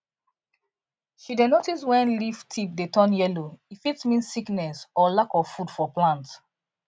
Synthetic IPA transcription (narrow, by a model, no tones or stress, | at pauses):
ʃidenotiswɛ̃nliftʰip̚detʰɔ̃njɛloifitmĩnssiknɛsɔlakɔvfudfɔplãnt